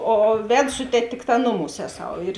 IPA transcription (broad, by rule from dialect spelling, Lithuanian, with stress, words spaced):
oː ˈʋʲɛt ˈsʊ tʲɛˌtʲeː ˈtʲɪkˌtɑː ˈnʊˌmuːs ˈæːˌsɐʊ ɪr